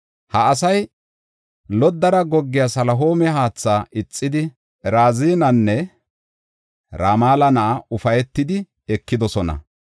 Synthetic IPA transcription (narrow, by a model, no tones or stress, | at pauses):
hɐːs̬ɐj | lɔd̪ːɐɾɐɡɔɡːɪjasɐlɐɦo̞ːmɛɦaːt͡sːaːʔɪt͡sʼːɪd̪ɪ | ɾaːziːnɐnːɛ | ɾaːmaːlɐnɐʔːʊfɐjɛt̪ːɪd̪ɪ | ɛkːɪd̪ɔsɔnɐ̰